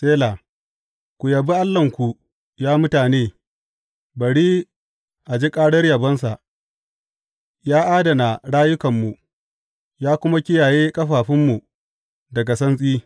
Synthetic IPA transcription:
sʼeː˦laː˨ | kʷu˨jɐ˨bi˦ʔa˦lːɐ˨ŋkʷu˨ | jaː˦mʊ˦taː˨neː˦ | bɐ˨ɽiː˦ | ʔa˨d͡ʒi˦kʼaː˦ɽɐ˦rjɐ˨bɐ˦ns̬a˨ʔ | jaː˦ʔaː˦dɐ˨na˨ɽaː˦jʊ˦kɐ˨mːu˨ | jaː˦kʷʊ˦ma˦kʲɪ˦jaː˨jeː˦kʼɐ˦ɸaː˨ɸɪ˦mːu˨ | dɐ˨ɡa˨sɐ˦nsʼiː˦

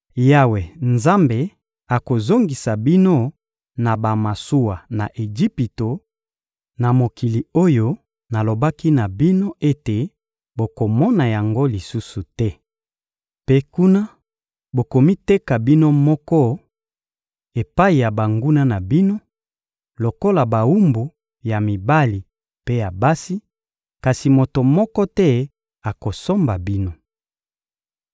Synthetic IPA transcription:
ja˦we˨nza˦mbe˨ | a˨ko˨zo˦ŋɡi˨sa˨bi˦no˦ | na˨ba˨ma˨su˦wa˨na˨ʔe˨d͡ʒi˦pi˨to˨ | na˨mo˨ki˨li˨o˦jo˦ | na˨lo˨ba˦ki˦na˨bi˦no˦ʔe˦te˨ | bo˨ko˨mɔ˦na˨ja˨ŋɡo˦li˨su˦su˨tɛ˦ | pe˦ku˦na˦ | bo˨ko˨mi˦te˦ka˨bi˦no˦mɔ˦kɔ˦ | e˨pa˦i˨ja˨ba˨ŋɡu˦na˦na˨bi˦no˦ | lo˨ko˦la˨ba˨wu˦mbu˨ | ja˨mi˨ba˦li˨ | pe˦ja˨ba˦si˦ | ka˨si˨mo˨to˨mɔ˦kɔ˦tɛ˦ | a˨ko˨so˦mba˨bi˦no˦

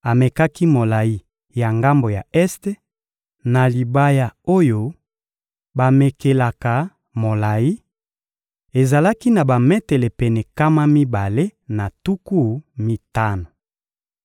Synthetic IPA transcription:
a˨me˨ka˦ki˦mo˨la˨ji˦ | ja˨ŋɡa˦mbo˨ja˨ɛ˦ste˦ | na˨li˨ba˦ja˨o˦jo˦ | ba˨me˨ke˨la˨ka˨ | mo˨la˨ji˦ | e˨za˨la˦ki˦na˨ba˨mɛ˦te˨le˨pɛ˨nɛ˨ka˦ma˦mi˦ba˨le˦na˨tu˦ku˦˨mi˦ta˦na˨

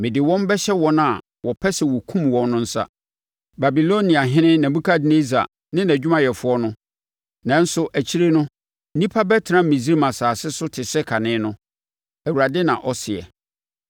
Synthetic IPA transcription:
mɪ̃˨dɪ˨wɔ̃˦m˦bɛ˦ɕɛ˦wɔ˦na˨ | wʔɔ˨pʰɛ˦sɛ˨wɔ˨kʰũ˦mwɔ̃˦nːʊ̃˦n̩˦sa̰˦ | ba˨bi˨lo˦nĩ˨a˨ɦɪ̃˦nɪ̃˦næ̃˨bũ˦kʰa˦dɪ˦ne˦za̰˨ | nɪ̃˦næ̃˨d͡ʑᶣu˦mã˦jɛ˨fʊ˦ɔ˦nʊ̃˦ | nã˦n̩˦sʊ˦ʔæ˨t͡ɕʰi˦ɾe˦nʊ̃˦ | nĩ˦pʰa˦bɛ˦tʰɪ˨ɾã˦˨mĩ˨zi˦ɾi˦mã˨saː˨sɪ˦sʊ˦tʰɪ˨sɛ˦kʰa˨nɪ̃˦nʊ̃˦ | æ˨wu˨ɾa˨dɪ˦nã̰˨ʔɔ˦sɪ˨ɛ̰˨

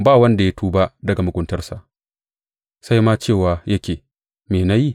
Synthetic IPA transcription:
baː˦˨wɐ˦nda˨ja˦tʰuː˦ba˦ʔdɐ˨ɡa˨mʊ˨ɡʷʼʊ˦ntɐ˦rsa˨ʔ | sa˦jmaː˦t͡ʃeː˦˨waː˨jɐ˦kʲeː˨ | meː˨na˦ji˦˨

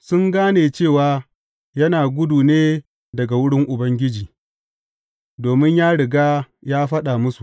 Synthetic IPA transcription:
sʊ˦ŋɡaː˦neː˨t͡ʃeː˦˨waː˨ | jɐ˦naː˨ɡʷʊ˦duː˨neː˦ | dɐ˨ɡa˨wʊ˦ɽɪ˦ŋʔʊ˨bɐ˦ŋɡʲɪ˦d͡ʒiː˨ | doː˨mɪ˦ɲjaː˦ɽɪ˨ɡaː˦jaː˦ɸɐ˦ɗaː˨mʊ˦su˨

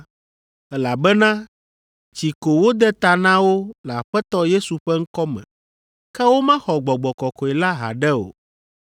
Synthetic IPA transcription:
ɛ˦la˨bɛ˦nã˦ | t͡ɕi˨ko˨wo˦d̪ɛ˦t̪a˨nã˦wo˦la˨ɸɛ˦t̪ɔ˦je˦su˨ɸɛ˦ŋ̩˦kɔ˦mɛ̰̃˨ | kɛ˦wo˦mã˦xɔ˨ɡ͡bɔ˨ɡ͡bɔ˨kɔ˨kɔ˨ɛ˨la˦ɦa̰˨ɖɛ˦o̰˨

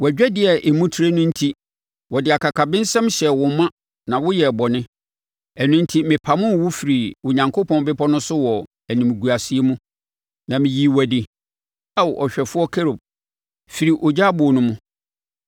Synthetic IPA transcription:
wæ˨d͡ʑᶣɛ˦dɪ˦ɛ˨ʔe˨mũ˦tʰi˨˦ɾe˦nʊ̃˦n̩˦tʰi˦ | wɔ˨dɪ˨a˨kʰa˨kʰa˨bɪ̃˦n˦sɛ̃˦mɕɛ˨wʊ̃˨m˦mã˦ | nã˨wʊ˦jɛ˨bɔ˨nɪ̃˦ | ɛ˨nʊ̃˦n̩˦tʰi˦mɪ̃˨pʰa˨mʊ̃˦˨wʊ˦fi˨ɾi˨wʊ˨ɲã˨ŋkʰo˦pʰɔ̃˦n˦bɪ˦pʰɔ˦nʊ̃˦sʊ˦wɔ˨ | æ˨nĩ˨m˨ɡu˨a˨si˨˦e˦mũ˦ | nã˨mɪ̃˨ji˨wæ˨di˨ | a˦wʔɔ˨ɕᶣɛ˨fʊ˦ɔ˦kʰe˦ɾo˨b̚ | fi˨ɾi˨ʔɔ˨d͡ʑa˦bʊ˨nʊ̃˦mʊ̃˦

